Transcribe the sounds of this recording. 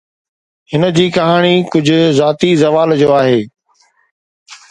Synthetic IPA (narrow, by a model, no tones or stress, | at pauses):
hɪnd͡ʑiːkɐɦaːɽ̃iːkʊd͡ʑʱʊzaːt̪izɐʋaːld͡ʑoːaːɦeː